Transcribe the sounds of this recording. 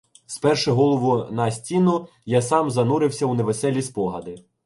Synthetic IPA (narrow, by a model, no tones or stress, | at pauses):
spɛrʃɛɦɔlˠɔʋʊnɐsʲtʲinʊ | jasɑmzɐnuɾɪwsʲɐuneʋesɛlʲispɔɦɐd̪ɪ